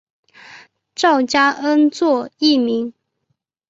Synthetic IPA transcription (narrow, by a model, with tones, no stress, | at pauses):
ʈ͡ʂɑ˥˩ʊt͡ɕja˥ʔə˥nt͡swɔ˥˧i˥˩mi˧˥ŋ